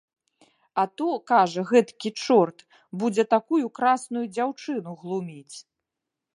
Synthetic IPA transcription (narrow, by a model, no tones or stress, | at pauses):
ɐt̪ɔkaʐɐɣɛt̪kʲit͡ʂɔrt̪ | bud͡zʲɛt̪akujukɾasn̪ujud͡zʲawt͡ʂɨn̪uɣlˠumʲit͡sʲ